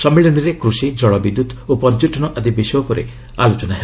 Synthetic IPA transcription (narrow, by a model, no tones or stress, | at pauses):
sɔmiɭɔniɾekɾusid͡ʒɔɭɔbid̪ud̪opɔɾd͡ʒuʈɔnɔʔad̪ibisiɔpɔɾe | alot͡ʃɔnaɦe